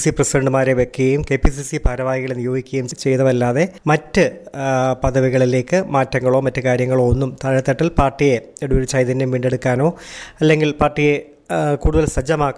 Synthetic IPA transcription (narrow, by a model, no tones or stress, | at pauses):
siprɐsiɖeɳɖɨmaːɾeʋe̞kːɨɣɐjumkeːpis̬isipaːɾɐʋaːjiɣɐɭenijo̞ːɡikʲːuɣɐjumt͡ɕe̞jt̪ɐʋɐlːaːðe̞mɐtːɨ | pɐðɐʋiɣɐɭile̞ːkːɨmaːtːɐŋːɐɭo̞ːmɐtːɨkaːɾjɐŋːɐɭo̞onːumt̪ɐːɻɐt̪ːeʈːilpaːrʈːijeeɽuoɾut͡ɕɐjðɐnːɐmʋiːɳɖe̞ɽukːaːno̞ːɐlːe̞ŋɡilpaːrʈːije | kuːɽuðɐlsɐd͡ʑɐmaːkː